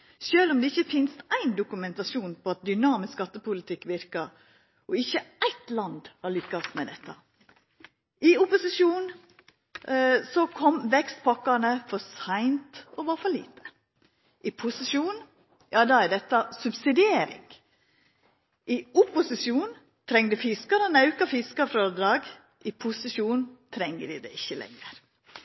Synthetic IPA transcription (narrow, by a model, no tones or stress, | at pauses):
ʃøːlɔmd̪ɛɪçːəfɪnst̪æɪnd̪ʊkʉmɛnt̪ɑʃuːnpʰɔɑt̪̚d̪ʏnɑːmɪskɑt̪ːəpʊlɪt̪ʰɪkːʋɪɾkəɾ | ɔɪçːəæɪt̪lɑnd̪hɑɾɭʏkːɑsmɛd̪ɛt̪ːɑ̰ | ʔɪʊpʊsɪʂuːn | sɔkʰɔmːʋɛkst̪pʰɑkɑnəfɔɾsæɪnt̪ɔʋɑɾfɔɾɭḭːt̪ə̥ | ʔɪpʰʊsɪʃuːn | jɑːd̪ɑæd̪ɛt̪ːɑsʉbsɪd̪ɪeːɾɪ̰ŋ | ʔɪʊpʊsɪsjuːn | t̪ʰɾɛŋːd̪ʉfɪskɑɾənɑʉkɑfɪskɑfɾɑd̪ɾɑːɡ | ʔɪpʰʊsɪʃuːnt̪ʰɾɛŋːəd̪ɪd̪ɛ̰ɪçːəlʔɛ̰ŋːəɾ